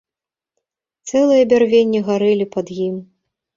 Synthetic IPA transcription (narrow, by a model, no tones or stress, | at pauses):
t̪sɛlˠɨjɐbʲarvʲenʲːɛɣaɾɨlʲipɐd̪jim